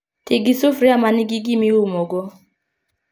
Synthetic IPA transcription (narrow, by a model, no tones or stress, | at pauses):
tɪɡisʊfɾiamanɪɡiɡimiumoɡɔ